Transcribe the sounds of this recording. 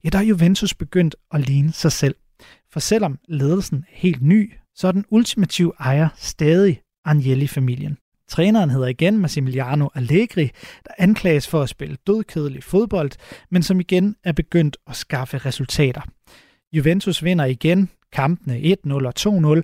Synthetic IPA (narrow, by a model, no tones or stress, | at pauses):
jæd̥ɑhæɐjuʋent͡sʰusb̥e̝ɡ̥øn̰d̥ɒ̽liːnəsɑ̈ɪsel̰ | fɒ̽sel̰ɒ̽mle̝ːðˠl̩sn̩he̝̰ːld̥ny̰ːsɒ̽æd̥enult͡sʰimæt͡sʰiʊɑ̈ɪɐsd̥ɛːð̞ˠi | ɑnjelifæmil̰jən | t͡sʰʁɛːnɐːnɦe̝ð̞̰ˠɐiɡ̥enmæsimiliɑ̈ːno̝ʔæleɡ̥ʁid̥ɑ̈ʔænkʰlɛ̰ːɪəsfɒ̽æsb̥e̝ləd̥øðˠkʰeð̞ˠlifo̝ð̞ˠb̥ɒ̽l̰d̥mensɒ̽miɡ̥enæɐb̥e̝ɡ̥øn̰d̥ɒ̽sɡ̥ɑ̈fəʁɛsult͡sʰɛ̰ːd̥ɐ | juʋent͡sʰusʋe̝n̰ɐiɡ̥enkʰɑ̈mb̥n̩eʔe̝d̥nɔ̽lɒ̽t͡sʰo̝̰ːnɔ̽l